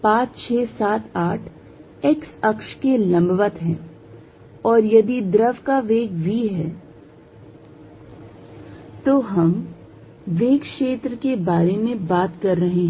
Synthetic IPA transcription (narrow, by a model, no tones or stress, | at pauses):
pãːt͡ʃt͡ʃʰɛːsaːt̪aːʈʰ | eksɐkʃkelɐ̃mbʋət̪ɦɛ̰̃ː | ɔːɾjɐd̪id̪ɾəʋkaʋeːɡʋiɦɛː | t̪oːɦɐm | ʋeːɡʃeːt̪ɾəkebaːɾemẽbaːt̪kɐɾːɐɦeɦɛ̃